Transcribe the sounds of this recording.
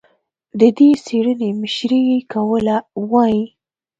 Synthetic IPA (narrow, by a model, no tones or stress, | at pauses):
d̪əd̪eseɽənemɪʃɾiwikawəlawɑji